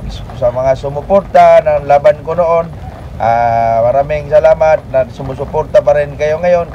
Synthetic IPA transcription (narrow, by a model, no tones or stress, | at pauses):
s | samaŋasʊmʊpʊrt̪ananlabankonoʔon | amaɾamɪŋsalamat̪̚nasʊmʊs̬ʊpʊrt̪apaɾɪnkajoŋajon